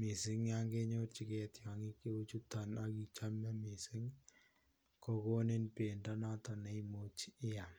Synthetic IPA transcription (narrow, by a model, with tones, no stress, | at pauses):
mi˨sɪ˦ŋja˦ŋɡe˦ɲo˦t͡ʃi˨kɛ˦tja˨ŋi˦ke˦o˦t͡ʃu˦tana˦ki˨t͡ʃa˦mɛ˦mi˨sɪ˦ŋ | ko˦ko˦ne˦npe˨nda˦na˦tɔ˨nɛ˨imo˦t͡ʃɪ˦ja˨